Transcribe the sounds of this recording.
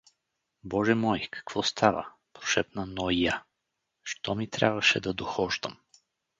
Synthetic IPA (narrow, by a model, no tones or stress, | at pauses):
bɔʒɛmɔjkʰɐ̥kv̥ɔst̪ʰavə̰ | pɾo̥ʃɛt̪nanɔija | ʃt̪ɔmit̪ɾʲa̰bvɐʃɛd̪ɐd̪oxɔʒd̪ə̰m